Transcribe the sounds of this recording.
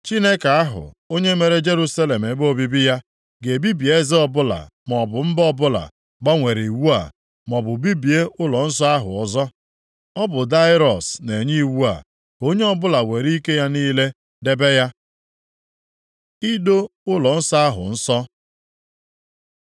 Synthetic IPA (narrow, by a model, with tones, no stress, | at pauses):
t͡ʃi˦ne˦ka˨a˦ɦʊ̰˨ | o˦ɲe˦me˨ɾe˦d͡ʒe˦ɾu˦sa˦le˨m̩˨e˨bo˦bi˦bi˦ja˦ | ɡe˨bi˦bi˨e˦zɪ˦ɔ˨bʊ˦la̰˨m˨ɔ˨bʊ˨m̩˦bɔ˦bʊ˦la̰˨ | ɡ͡ba˦ŋʷe˨ɾi˨i˨wu˦a̰˨ | mɔ˨bʊ˨bi˦bi˨e˦ʔʊ˦lɔ˨n̩˦sɔ˦a˦ɦʊ̰˨ɔ˨zɔ˦ | ɔ˦bʊ˨da˦ɪ˦ɾɔ˨sne˨ɲi˦i˦wu˦a̰˨ | ko˦ɲe˦ɔ˦bʊ˦la˨we˨ɾi˦ke˦ja˦niː˦le˦ | de˦be˦ja˦ | i˦do˦ʊ˦lɔ˨n̩˦sɔ˦a˦ɦʊ̰˨n̩˦sɔ˦